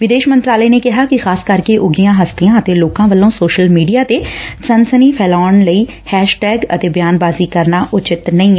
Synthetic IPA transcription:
ʋɪd̪eːʃmə̃nt̪ɾaːləːneːkɪɦaːkɪxaːskəɾkeːʔʊɡijãːɦəst̪iãːət̪eːloːkãːʋəlːõːsoːʃəlmiːɖijaːt̪eːsənsəniːpʰɛːlaːɳləiː | hɛːʃʈɛːɡə̰t̪eːbjaːnbaːziːkəɾnaːʔʊt͡ʃɪt̪nəĩːɛː

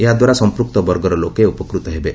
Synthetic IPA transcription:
eɦad̪waɾasɔmpɾuk̚t̪ɔbɔɾɡɔɾɔlokeupɔkɾut̪ɔɦebe

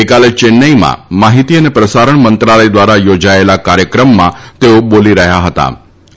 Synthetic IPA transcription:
ekalet͡ʃenːəimã̰maɦit̪iənepɾəsaɾəɳmənt̪ɾaləjd̪ʋaɾajod͡ʒaelakaɾjəkɾəmːã̰t̪eoboliɾəɦjaɦət̪a̰

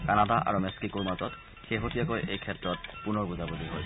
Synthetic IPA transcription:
kanadaʔa̰ɹumɛskikuɹmatɔt | xeɦotijakojʔejkʰɛtːɹɔt̚punɔɹbuzaboliɦɔj

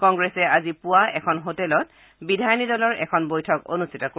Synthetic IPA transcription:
kɔŋɡɹɛsɛazipʊwaʔɛkʰɔnɦotɛlɔt̚ | bidʱajnidɔlɔɹʔɛkʰɔnbojtʰɔko̰nustʰitɔko

